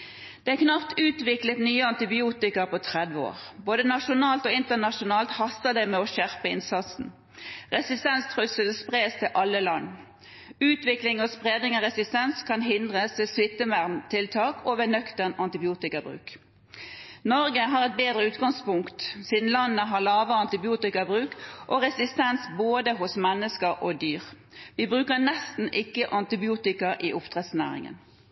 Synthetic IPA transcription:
d̪̥ɛæknɑpt̪ʉːt̪ʋɪklət̪nyːəɑnt̪ɪbɪuːt̪ɪkəʁpʰɔt̪ʰʁɛd̪ʋəo̰ːʁboːd̪ənɑʃʊnɑːlt̪ɔɪnt̪ənɑʂʊnɑːlt̪hɑsəd̪ɛmɛɔʃæʁpəɪnsɑt̪sn̩ | ʁɛsɪst̪ɛnst̪ʰʁʉsəlspʁeːst̪ʰɪlʔɑlːəlɑnː | ʉːt̪ʋɪklɪŋɔspʁeːd̪nɪŋɔʁɛsɪst̪ɛnskʰɑnɦɪnd̪ʁəsʋeːsʋɪt̪ːəmæʁmt̪ʰɪlt̪ʰɑːkʰoʋɛnœkt̪əʁnɑnt̪ɪbɪuːt̪ɪkɑbʁʉ̰ːk | nɔʁɡəɦɑʁɛt̪̚beːd̪ʁəʉːt̪ɡɑŋspʊŋkt̪siːd̪n̩lɑnːəɦɑlɑːʋəɑnt̪ɪbɪuːt̪ɪkɑbʁʉːkʔoʁɛsɪst̪ɛnsboːd̪əɦʊsmɛnːəskəʁʔod̪yːʁ | ʋiːbʁʉːkəʁnɛst̪n̩ʔɪkːəʔɑnt̪ɪbɪuːt̪ɪkɑʔiʔʊpt̪ʰʁɛt̪snæ̰ːʁɪ̰ŋə̰n

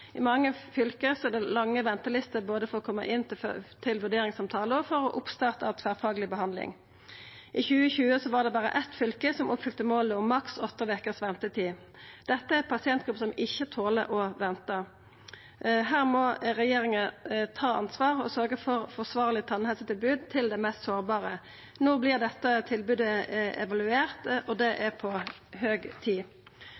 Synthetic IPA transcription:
ɪmɑŋːəfʏlkəsɔɛd̪ɛlɑŋːəʋɛnt̪əlɪst̪əboːd̪əfɔʁɔkʰɔmːə̰ʔɪnt̪t̪ʰɪlʋʉɖ̪eːɾɪŋsɑmt̪ʰɑːləɔfɔʁɔʔʊpst̪ɑʁt̪ɑʋt̪ʰʋæːʁfɑːɡəlɪbəɦɑnd̪lɪ̰ŋ | ʔɪçʉːəçʉːəsɔʋɑːd̪ɛbɑːʁə̰ʔɛt̪fʏlkəsɔmʔʊpfʏlt̪əmoːləʊmːɑksɔt̪ːəʋɛkəʁsʋɛmt̪ət̪ʰiː | d̪̥ɛt̪ːəæpʰɑsɪɛnt̪ɡʁʉpːəsɔmɪçːət̪ʰoːlə̰ʔɔʋɛnt̪ə | ɦæːʁmɔʁɛjeːʁɪŋət̪ʰɑːɑ̰nsʋɑːʁɔ̰sœʁɡəfɔʁfɔʁsʋɑːʁlɪt̪ʰɑnhɛsət̪ɪlbʉːd̪t̪ʰɪld̪ɛmɛst̪soːʁbɑːʁə | nɔblɪʁd̪ɛt̪ːət̪ʰɪlbʉːd̪əɛ̰ʋɑlʉeːʁt̪ɔd̪ɛʔæpʰɔhøːɡt̪ʰiː

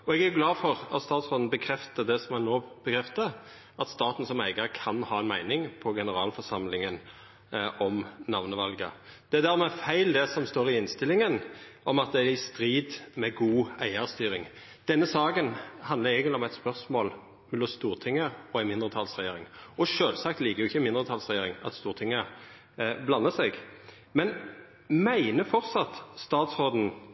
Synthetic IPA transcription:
ɔɛɡæɾjʊɡlɑːfɔɾɑ̰t̪st̪ɑːt̪sʁɔnn̩bəkʰɾɛft̪əd̪ɛsɔmɑnnːoːb̥əkʰɾɛft̪ə | ʔɑt̪st̪ɑːt̪n̩sɔmæɪɡəɾkʰɑnhɑːɛnmæɪnɪŋpʰɔɡɛnəɾɑːlfɔʁsɑmlɪŋən | ʔɔmnɑʋnəʋɑlɡə̰d̪̥ɛæd̪æʁmɛfæɪld̪ɛsɔmst̪oːɾɪɪnst̪ɪlːɪŋənʔɔmɑt̪̚d̪ɛæɾɪst̪ɾiːd̪mɛɡuːæɪəʁst̪yːɾɪŋ | d̪̥ɛnːəsɑːkənhɑnd̪ləɛɡənlɔmæɪt̪spœɾsmoːl | mɛlɔst̪uːʁt̪ʰɪŋːəɔæɪnmɪnd̪ʁət̪ʰɑlsʁɛjeːɾɪŋɔʃøːlsɑkt̪liːkəjʊɪçːəɪmɪnd̪ʁət̪ʰɑlsʁɛjeːɾɪŋɑ̰t̪st̪uːʁt̪ʰɪŋːə | blɑnːəsɛɡ | mɛn | mæɪnəfɔɾt̪sɑt̪st̪ɑːt̪sʁoːd̪n̩

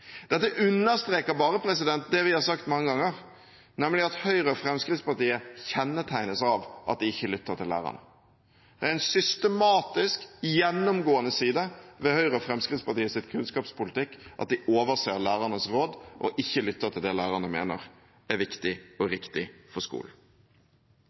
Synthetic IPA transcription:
d̪̥ɛt̪ːəʔʉnːəɾst̪ɾeːkəɾbɑːɾəpʰɾɛsɪd̪ɛnt̪̚d̪ɛʋɪhɑɾsɑkt̪mɑŋːəɡɑŋːəɾ | nɛmlɪɑt̪hœʏɾəfɾɛmskɾɪt̪spɑɾt̪iːəçɛnːət̪ʰæɪnəsɑʋʔɑ̰t̪̚d̪ɪɪçːəlʏt̪ːət̪ɪlːæ̰ːɾɑ̰nə̰ | d̪̥ɛæɾæɪnsʏst̪əmɑːt̪ɪskjɛnːʊmɡoːənəsiːd̪əʋɛhœʏʁəɔfɾɛmskɾɪt̪spɑt̪iːəsɪt̪kʰʉnskɑːpspʊlɪt̪ɪkːʔɑ̰t̪̚d̪ɪʔoːʋəɾseːlæːʁɑnəsɾoːd̪ʔɔ̰ʔɪçːəlʏt̪ːət̪ʰɪld̪ɛlæːʁɑnəmḛːnə̰ɾ | æʋɪkt̪ɪɔɾɪkt̪ɪfɔskṵːln̩

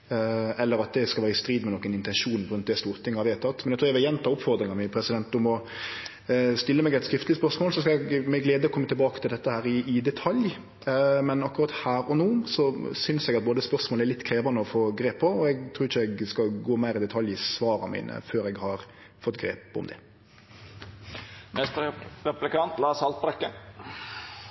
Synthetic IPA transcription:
ɛlːəɾɑt̪̚d̪ɛskɑʋæːɾəɪst̪ɾiːd̪mɛnɔːkːənɪnt̪ɛnʂuːnpʰʊɾʉnt̪d̪ɛst̪uːɾʁt̪ʰːɪŋːhɑʋɛːt̪ʰɑt̪ːmɛnɛɡt̪ʰuːɛʋɛjɛnt̪ɑʊpfɔɾd̪ɾɪŋɑmɪpʰɾɛsɪd̪ɛnt̪ʊmɔ | st̪ɪlːəmɛɡɛt̪skɾɪft̪ləspœɾsmoːlsɔskɑɛɡmɛɡleːd̪əɔkʰɔmːət̪ʰɪlbɑːkə̥t̪ʰɪld̪ɛt̪ːəhæːɾɪɪd̪ɛt̪ʰɑlj | mɛnɑkːʊɾɑt̪hæːɾɔnoːsɔsʏnsɛɡɑt̪̚boːd̪əspœɾsmoːləæɾlɪt̪ːkʰɾeːʋɑnəɔfoːɡɾeːpʰːɔɔɛɡt̪ʰɾuːɪçːəɛɡskɑɡoːmæɪɾɪd̪ɛt̪ʰɑljɪsʋɑːɾɑ̰mḭːnə̰føːɾɛɡhɑɾ | fɔt̪ːɡɾḛːpɔ̰md̪ɛ̰ | mɛst̪ɾɛplɪkɑnt̪lɑːsɑlt̪̚bɾɛkːə

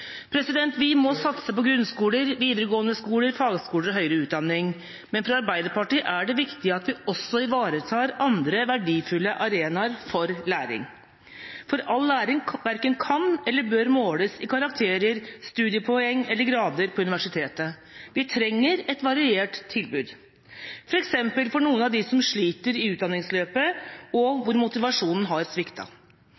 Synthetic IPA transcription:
pʰɾɛsɪd̪ɛnt̪ʋɪmɔsɑt̪səpɔɡɾʉnskuːləɾʋiːd̪əɾəɡoːənəskuːləɾfɑːɡəskuːləɾɔɦœʏɾəʉːd̪ɑnːɪŋ | mɛnfɾɑɑɾbæɪd̪əɾpɑʈiːʔæɖɛʋɪkt̪ɪəɑt̪ʋɪɔsːɔɪʋɑːɾət̪ʰɑːɾɑnd̪ɾəʋæɖiːfʉlːəʔɑɾeːnɑɾfɔɾlæːɾɪ̰ŋ | fɔɾɑlːæːɾɪŋʋæɾkənkʰɑnɛlːəbøːɾmoːləsɪkʰɑɾɑkt̪ʰeːɾəɾst̪ʉːd̪ɪəpʰɔɛŋːɛlːəɾɡɾɑːd̪əɾpʰɔʉnɪʋæʂɪt̪ʰeːt̪ə | ʋɪt̪ʰɾɛŋːəɾɛt̪ʋɑɾɪeːʈt̪ʰːɪlbʉːd̪ | fɔɾɛksɛmpəlfɔɳuːənɑʋd̪ɪsɔmʂɭiːt̪əɾɪʉːt̪̚d̪ɑnɪŋsløːpəɔʋʊɾmʊt̪ɪʋɑʂuːnn̩ɦɑɾsʋɪkt̪ʰɑ̰

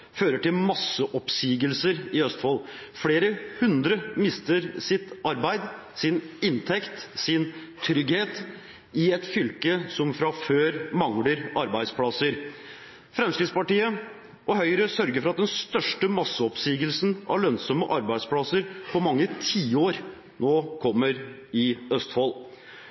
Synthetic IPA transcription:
føːɾəʈɪlmɑsəʔɔpsiːɡəlsəɾɪœst̪fɔlfɽeːɾəhʉnd̪ɾəmɪst̪əɾsɪt̪ɑɾbæɪd̪ | sɪnɪnt̪ʰɛkt̪sɪn | t̪ʰɾʏɡheːt̪ | ɪɛt̪fʏlkəsɔmfɾɑføːɾmɑŋləɾɑɾbæɪd̪spʰɽɑsəɾ | fɾɛmskɾɪd̪spɑʈiːə | ʔɔɦœʏɾəsœɾɡəɾfɔɾɑt̪̚d̪ɛnst̪œʂʈəmɑsːəɔpsiːɡəlsn̩ʔɑ̰ɭœnsɔməʔɑɾbæɪd̪spʰɽɑsəɾpʰɔmɑŋːət̪ʰiːoːɾ | noːkʰɔmːəɾ | ɪœst̪fɔl

